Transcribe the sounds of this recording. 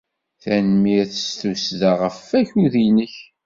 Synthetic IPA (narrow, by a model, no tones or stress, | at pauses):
θænmiæθəst̪usðaʁəfːæçuðinəç